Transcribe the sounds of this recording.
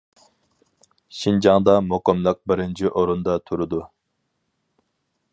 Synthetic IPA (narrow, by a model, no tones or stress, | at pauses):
ʃind͡ʒɑŋd̪ɑmoqɨmlˠəq̚bɪɾɪnt͡ʃʰiʔoɾund̪ɑt̪ʰuɾud̪u